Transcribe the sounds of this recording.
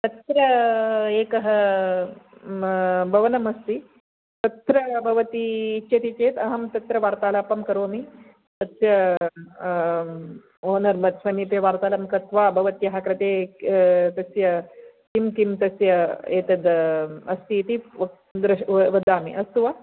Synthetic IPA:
t̪ɐt̪ɾɐeːkɐɦɐ | bʱɐʋɐnɐmɐst̪i | t̪ɐt̪ɾɐbʱɐʋɐt̪iːt͡ʃʃɐt̪it͡ʃeːt̪ɐɦɐmt̪ɐt̪ɾɐʋaːɾt̪aːlaːpɐmkɐɾoːmi | t̪ɐsjɐ | oːnɐɾmɐt̪sʋɐnipeʋaːɾt̪aːlɐmkɐt̪ʋaːbʱɐʋɐt̪ijɐɦakɾɐt̪eː | t̪ɐsjɐ | kimkimt̪ɐsjɐeːt̪ɐd̪ɐst̪iːt̪i | d̪ɾɐʋɐd̪aːmḭʔɐst̪uʋa

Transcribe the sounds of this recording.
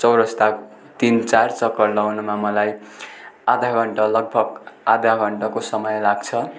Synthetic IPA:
t͡sʌwɾʌst̪ak | t̪int͡sart͡sʌkːʌrlʌwnumamʌlaj | ad̪ʱaɡʱʌɳʈʌlʌɡ̚bʱʌɡad̪ʱaɡʱʌɳʈʌkosʌmʌjlaɡt͡sʰʌ

